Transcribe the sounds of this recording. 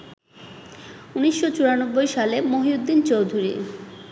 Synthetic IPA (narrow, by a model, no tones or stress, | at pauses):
uniʃːot͡ɕuɾanobːojʃalemoɦiud̪ːint͡ɕowd̪ʱuɾḭ